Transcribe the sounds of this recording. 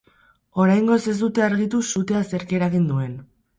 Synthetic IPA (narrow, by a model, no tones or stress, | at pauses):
o̞ɾajŋɡo̞se̞zd̪ut̪e̞aɾɣit̪usut̪e̞ase̞ɾkieɾaɣind̪ue̞n